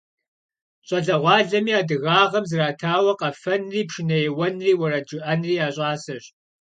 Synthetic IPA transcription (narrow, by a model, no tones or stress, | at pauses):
ɕʼɐɮɐʁʷɑːɮɐmiːaːdɨɣaːʁɐmzɨraːtʰaːwɐqɐfɐnriːpʂɪnɐjɛwɐnriːwɐɾɐd͡ʒɨʔɐnriːaːɕʼaːsɐɕ